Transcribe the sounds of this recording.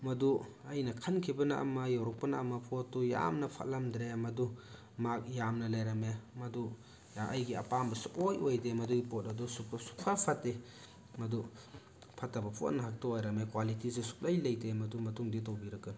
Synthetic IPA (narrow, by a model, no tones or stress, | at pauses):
mɐduɐjnɐkʰankʰibɐna̰ʔmɐjawɾɔk̚pɐna̰mɐpʰotːuja̰mnɐpʰa̰ʔlamdɾemɐdu | mak̚jamnɐlajɾɐmemɐdu | ʔɐ̰jɡia̰pambɐsuʔojojdemɐduɡipot̚ɐdusuksu̥k̚pʰapʰatːe | mɐdu | pʰatːɐbɐpʰo̰t̚nɐɦak̚taojɾɐmekwalitisusu̥k̚lajlɐjdemɐdumɐtuŋdit̬owbiɾɐkɯn